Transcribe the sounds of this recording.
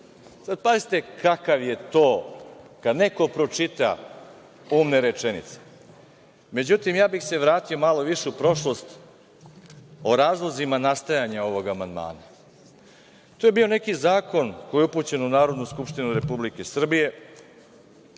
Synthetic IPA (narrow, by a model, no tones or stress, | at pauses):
sad̪̚pazit̪e̞kʰakaʋje̞t̪oːkad̪ne̞ko̞pɾo̞t͡ʂit̪a̰ | uːmneɾet͡ʂenḭt̪se̥ | me̞d͡ʑut̪imjaːbixse̞ʋɾaːt̪io̞malo̞ʋiʃeupɾo̞ʃlˠo̞st̪ | o̞ɾaːzlˠozimanast̪ajaɲao̞ʋo̞ɡamand̪ma̰ːna | t̪oːje̞bio̞ne̞kizaːko̞nkojeupuːt͡ɕe̞nunaːɾo̞d̪nuskupʃt̪inuɾe̞publike̞sr̩bije̞